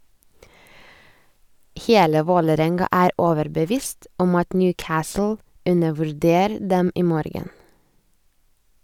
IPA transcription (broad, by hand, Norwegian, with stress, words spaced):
ˈheːlə ˈʋoːləˌɾɛŋɡɑ ˈæːɾ ˈoːʋəɾbəˌʋiːst ˈɔm ˈɑt ˈnjʉːˌkæːsl̩ ˈʉnəʋʉɾˌdeːɾ ˈdɛm ˈiː ˈmoːɾɡən